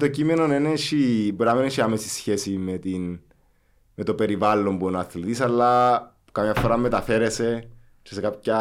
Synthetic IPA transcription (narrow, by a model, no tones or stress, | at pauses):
t̪ocime̞no̞neneʃibɾameneʃiamesisçe̞simet̪in | me̞t̪o̞pe̞ɾivalːo̞mpuenɐθlit̪isɐlːɐ | kɐmɲɐfːoɾɐmːet̪ɐfe̞ɾese̞ | t͡ʃese̞kapçɐ